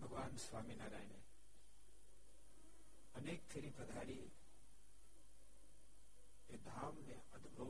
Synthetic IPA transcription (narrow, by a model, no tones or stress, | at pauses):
bʱɐɡʋaːnsʋaːminaːɾaːine | ɐneːk̚t̪ʰeɾĩpɾɐd̪ʱaːɾi | eːd̪ʱaːmːẽ | ɐd̪ʱbo